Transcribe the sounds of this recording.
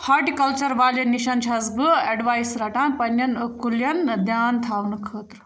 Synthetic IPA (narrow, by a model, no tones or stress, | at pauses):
hɐʈikɐlt͡ʃɐɾʋaːlɐniʃɐnt͡ʃʰɐzbɨeɖʋaːjsɾɐʈãːnpɐnjɐnkuljɐnd̪jaːnt̪ʰaːʋnɨkʰəːt̪ɾu